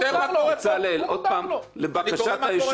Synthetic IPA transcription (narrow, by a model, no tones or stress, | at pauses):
at͡salelʔod̪̚pamlebakaʃʃat̪ajeʃ